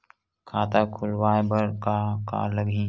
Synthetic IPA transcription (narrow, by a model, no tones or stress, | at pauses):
kʰaːt̪akʰʊlwaːebəɾkaka̰ːləɡʱĩ